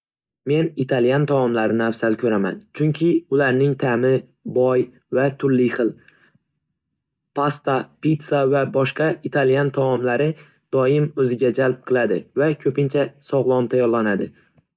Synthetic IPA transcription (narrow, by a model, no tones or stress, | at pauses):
me̞nit̪ʰaljant̪ʰamɒmlaɾɪnɪafsalkʰɵɾama̰nt͡ʃʰʊŋkʲʰɪʊlaɾnɪŋt̪ʰamɪ | bɒj | vat̪ʰʊɾlɪχɨlˠ | pʰast̪apit̪savabɒʃqɑit̪ʰalijant̪ʰamɒmlaɾɪ | d̪̥ɒɪmɵzɪɡʲad͡ʒalp̚qʰɨlˠad̪ɪvakʲʰɵpɪnt͡ʃʰasɒʁlˠɒmt̪ʰajɒɾlˠanad̪ɪ